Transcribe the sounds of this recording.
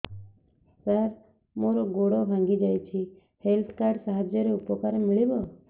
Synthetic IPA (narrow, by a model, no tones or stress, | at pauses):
səɾ | moɾɔɡoɽɔbʱãŋɡid͡ʒajt͡ʃʰi | helt̪ʰkaɾɖsaɦad͡ʒjəɾeupɔkaɾmiɭibɔ